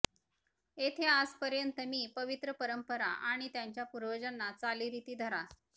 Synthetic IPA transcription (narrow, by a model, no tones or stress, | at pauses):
et̪ʰead͡zpəɾjənt̪əmiːpəʋit̪ɾəpəɾəmpəɾaʔaɽ̃it̪jaɲt͡ɕjapuɾʋəd͡ʑənːat͡saliːɾit̪iːd̪ʱəɾa